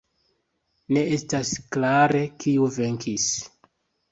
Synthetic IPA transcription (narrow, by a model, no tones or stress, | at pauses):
ne̞e̞stasklaɾe̞kiuve̞ŋkʰis